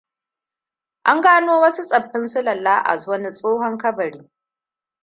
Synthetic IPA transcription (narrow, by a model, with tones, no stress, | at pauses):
ʔa˦ŋɡaː˦noː˦wɐ˦su˦sʼɐ˨ɸːɪ˦nsʊ˦lɐ˨lːaː˦ʔa̰˨zwɐ˦ni˦sʼoː˦hɔ˦ŋkɐ˦bɐ˨ɽiː˦